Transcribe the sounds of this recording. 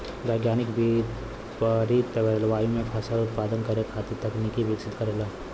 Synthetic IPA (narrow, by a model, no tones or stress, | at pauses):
ʋaɪɡjaːnɪkbi | pəɾit̪əbelʋaːjũmẽpʰəsalʊt̪paːd̪ənkəɾekʰaːt̪it̪əknikiʋɪksɪt̪kəɾelaː